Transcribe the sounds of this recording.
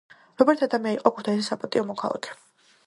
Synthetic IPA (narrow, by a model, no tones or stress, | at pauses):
ɾɔbɛɾt̪ʰad̪amiaiqʼɔkʰu̥t̪ʰaisisapʼat̪ʼiɔmɔkʰalˠa̰kʰɛ̥